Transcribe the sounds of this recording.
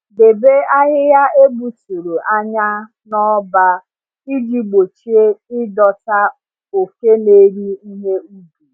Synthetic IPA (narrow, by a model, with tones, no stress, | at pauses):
de˨be˦a˦ɦɪ˦ja˦e˦bu˨tu˨ɾu˨ʔa˦ɲa˦ | nɔ˦ba˦ | i˦d͡ʒi˨ɡ͡bo˨t͡ʃi˦e˦ɪ˦dɔ˨ta˦ | o˨ke˦ne˦ɾi˦i˦ɦe˦u˦bu˨